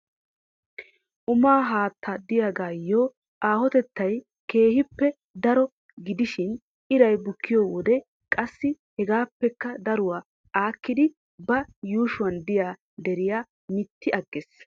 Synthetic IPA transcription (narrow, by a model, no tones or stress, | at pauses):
ʔʊmaːɦaːt̪ːɐd̪ɪjaːɡaːjːɔ | ʔaːhɔt̪ɛt̪ːɐj | ke̞ːhɪpːɛ | d̪ɐɾɔ | ɡɪd̪ɪʃɪn | ʔɪɾɐjbʊkːɪjɔːwɔd̪ɛ | kʼɐsːɪ | hɛɡaːpːɛkːɐd̪ɐɾʊwaː | ʔaːkːɪd̪ɪ | bɐjuːʃʊwɐnd̪ɪjaː | d̪ɛɾɪjaː | mɪt̪ːɪɐɡːes